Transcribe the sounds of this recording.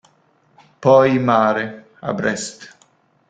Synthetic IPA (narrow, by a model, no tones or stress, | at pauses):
pɔjmaːɾe | a̰bɾɛst̪